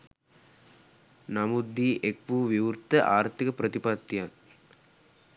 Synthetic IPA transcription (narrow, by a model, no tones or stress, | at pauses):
nɐmud̪ːiːʔek̚puʋiʋuɾt̪ːɐʔaːɾt̪ːikɐpɾɐt̪ipaːt̪ːijaːn